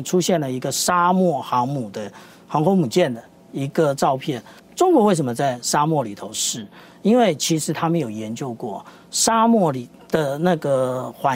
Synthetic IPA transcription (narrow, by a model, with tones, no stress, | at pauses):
ʈ͡ʂʰu˥ɕjɛ˥˩nlə˩i˧˥ɡə˨ʂa˥mwɔ˥˩xɑ˧˥ŋmu˨˩d̪ə˦ | xɑ˧˥ŋkʰo˥ŋmu˨˩t͡ɕjɛ˥˩nd̪ə˩ | i˧˥ɡə˨˧ʈ͡ʂɑ˥˧ʊpʰjɛ˥˩n | ʈ͡ʂʊ˥ŋkwɔ˧˦we˥˩ɪʂ̬ə˧˥mə˧t͡sa˥˩ɪʂa˥mwɔ˥˩li˨˩t̪ʰo˧˦ʊʂɻ̩˥˩ | i˥nwe˥˩ɪt͡ɕʰi˧˥ʂɻ̩˧˥t̪ʰa˥mə˨njo˨˩ʊjɛ˨˧˥nt͡ɕjo˥˧ʊkwɔ˥˩ | ʂa˥mwɔ˥˩li˨˩ | d̪̥ə˨˦na˥˩ɡə˩xwa˧˥